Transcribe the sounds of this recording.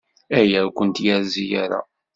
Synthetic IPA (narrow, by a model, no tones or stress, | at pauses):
æjækʷənt̪jæɾzijaɾa̰